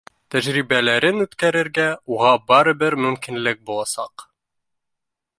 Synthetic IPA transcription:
t̪æʒɾiβælæɾɘnʉt̪kæɾɘ̆ɾɡæuʁɑbɑɾɤbɘɾmɵ̆mkinlɘk̚bulˠɑsɑq

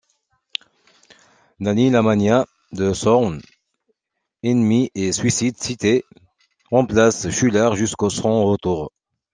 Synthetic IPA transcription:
d̪anilamanja | d̪əsɔʁn | ɛnmiʔesɥisid̪sit̪e | ʁɑ̃plasʃylaʁʒyskosɔ̃ot̪uʁ

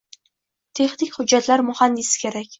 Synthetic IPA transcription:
t̪ʰe̞χnɪkʲhʊd͡ʒːat̪laɾmʊhand̪ɪsɪ̥kʲʰe̞ɾakʲ

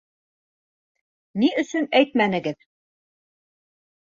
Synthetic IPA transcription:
niɵ̆sɵnæjt̪mænɘ̆ɡɘð

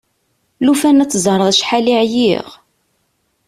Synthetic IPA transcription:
lufænæt͡sːzˤəɾˤðˤʃħaliʕjiʁ

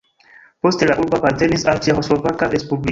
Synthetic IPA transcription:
po̞ste̞laʔuɾboapaɾte̞nisalt͡ʃiaho̞slo̞vakaɾe̞spubli

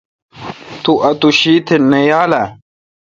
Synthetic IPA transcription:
t̪uʔɐt̪uɕiːt̪ʰenːɐjaːlɐ

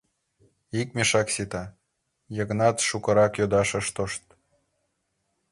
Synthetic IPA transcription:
ik̚mʲeʃɑksit̪ɑ | jɤ̆ɣnɑt̪ʃukɤ̆ɾɑkjod̪ɑʃɤ̆ʃt̪oʃt̪

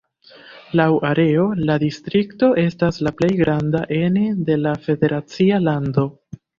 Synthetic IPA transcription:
lawaɾe̞o̞ladistɾikto̞ʔe̞staslaple̞jɡɾandaʔe̞nede̞lafe̞de̞ɾat͡sialando̞

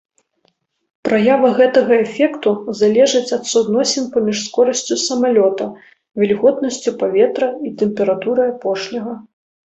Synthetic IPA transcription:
pɾajavɐɣɛt̪ɐɣɐɛfʲɛkt̪uzalʲɛʐɨt͡sʲɐt̪sud̪nɔsʲɛnpɐmʲiʂskɔɾɐsʲt͡sʲusɐmalʲɔt̪ɐ | vʲɛlʲɣɔt̪nɐsʲt͡sʲupavʲɛt̪ɾɐit̪ɛmpʲɛɾat̪uɾɐjapɔʂnʲɐɣɐ

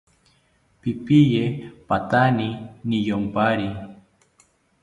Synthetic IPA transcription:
pipijepat̪aninijompaɾi

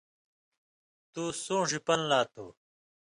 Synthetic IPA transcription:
t̪usũːʐipɐnlaːt̪ʰo̰ː

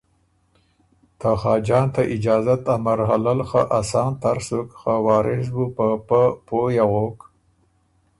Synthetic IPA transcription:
t̪ʰaxɑːd͡ʒɑːnt̪aʔɪd͡ʒɑːzat̪amaɾɦalalxaʔasɑːnt̪aɾsukxawɑːɾɪs̬bupəpəpojaɣok

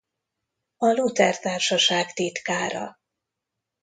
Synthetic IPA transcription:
ɒlut̪ɛrt̪aːrʃɒʃaːkt̪it̪kaːɾɒ̰

